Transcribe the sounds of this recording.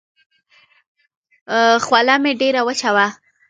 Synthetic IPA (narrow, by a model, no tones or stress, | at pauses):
xwalameɖeɾawət͡ʃawa